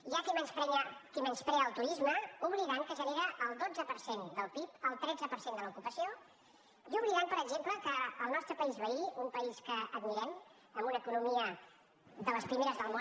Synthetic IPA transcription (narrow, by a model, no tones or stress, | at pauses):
ʒakimɛnpɾɛɲəkimɛnspɾɛəlˠt̪uɾizməuβliðaŋkəʒəneɾəʔːlˠd̪od͡zəpəɾsend̪əlˠpipəlˠt̪ɾɛd͡zəpəɾsend̪ələukupəsio | iuβɾiðampəɾəɡʒempləkəːlˠnɔst̪ɾəpəizβəiumpəiskəəd̪miɾɛm | əmbunəːkunumiə | ðələspɾimeɾəzðəlˠmo